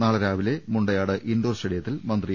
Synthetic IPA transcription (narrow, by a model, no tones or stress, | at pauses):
naːɭɐɾaːʋile̞muɳɖɐjaːɽɨʔindoːrsɐɽijɐt̪ːilmɐnd̪ri